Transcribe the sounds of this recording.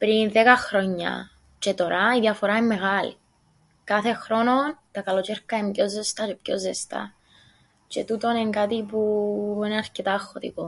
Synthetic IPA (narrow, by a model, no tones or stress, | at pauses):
pɾinðekɐxɾoɲːɐ̰ | t͡ʃet̪o̞ɾʔɐiðjɐfoɾaemːeɣalḭ | kɐθe̞xɾo̞no̞nt̪ɐkɐlot͡ʃeɾkːɐemɟo̞zːest̪ɐt͡ʃepçozːest̪ɐ̰ | t͡ʃet̪ut̪o̞neŋkat̪ipuineɐɾcet̪ɐːxːot̪ḭko